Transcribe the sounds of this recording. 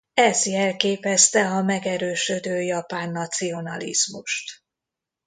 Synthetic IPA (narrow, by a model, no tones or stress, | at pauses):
ɛzjɛlkeːpɛst̪ɛɒmɛɡɛɾøːʃød̪øːjɒpaːnːɒt̪sio̞nɒlḭzmuʃt̪